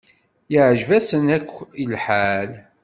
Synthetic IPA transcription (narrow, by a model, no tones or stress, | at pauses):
jiʕʒvæsənækʷːilħal